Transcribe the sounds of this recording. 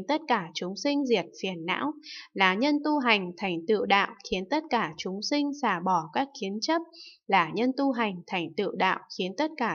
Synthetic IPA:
nt̪ə˦˥t̚kaː˧˩t͡ɕʊ˨˦ŋ͡msï˧ŋ̟zi˨˩ət̚fi˨˩ənːa̰ː˧˥wlaː˨˩ɲə˧nt̪u˧ɦa˨˩jŋ̟t̪ʰa˨˩jŋ̟t̪ɨ̰˧˨wɗa̰ː˧˨wxi˨˦ənt̪ə˦˥t̚kaː˧˩t͡ɕʊ˨˦ŋ͡msï˧ŋ̟saː˧˩ɓɔ˧˩kaː˦˥k̚xi˨˦ənt͡ɕə˦˥p̚laː˨˩ɲə˧nt̪u˧ɦa˨˩jŋ̟t̪ʰa˨˩jŋ̟t̪ɨ̰˧˨wɗa̰ː˧˨wxi˨˦ənt̪ə˦˥t̚kaː˧˩

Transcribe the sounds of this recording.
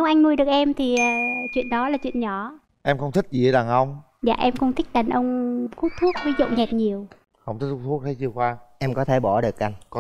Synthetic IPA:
nə˨˦wŋ͡mʔa˧jŋnu˧əjɗɨ˨˩ək̚ʔɛ˧mt̪ʰi˨˩ʔəː˨˩t͡ɕwḭ˧˨ənɗɔ˨˦laː˨˩t͡ɕwḭ˧˨ənɲɔ˧˩˦ | ʔɛ˧mxə˧wŋ͡mt̪ʰï˦˥k̟̚zi˨˩ə˨˦laː˨˩ŋʔə˧wŋ͡m | za̰ː˧˨ʔɛ˧mkʊ˧wŋ͡mt̪ʰï˦˥k̟̚ɗa˨˩jŋ̟ʔə˧wŋ͡mku˦˥t̚t̪ʰu˦˥k̚vi˨˦zṵ˧˨ŋ͡mɲɛ˨˩t̚ɲi˨˩əw | xə˧wŋ͡mt̪ʰi˦˥k̚t̪ʰu˦˥k̚t̪ə˨˦jt͡ɕɨ˧əxwaː˧ʔɛ˧mkɔ˨˦t̪ʰe˧˩ɓɔ˧˩ɗɨ˨˩ək̚ʔa˧jŋkɔ˨˦

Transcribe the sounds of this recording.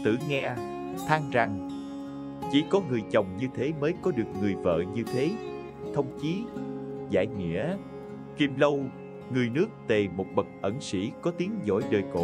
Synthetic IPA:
t̪ɨ̰˧˩ŋɛ˧ | t̪ʰaː˧ŋza˨˩ŋ | t͡ɕḭ˧˩˥kɔ˨˦ŋɨ˨˩əjt͡ɕə˨˩wŋ͡mɲɨ˧t̪ʰe˨˦məː˨˦jkɔ˨˦ɗɨ˨˩ək̚ŋɨ˨˩əjvə̰ː˧˨ɲɨ˧t̪ʰe˨˦ | t̪ʰə˧wŋ͡mt͡ɕi˨˦za̰ː˧˩˨jŋḭ˧˥ə | ki˨˩mlə˧w | ŋɨ˨˩əjnɨ˦˥ək̚t̪e˨˩mo˨˩t̚ɓə˨˩k̚ʔə˧˩nsḭ˧˥kɔ˨˦t̪i˨˦əŋzɔ̰˧˥˩jɗəː˨˩jko̰˧˨

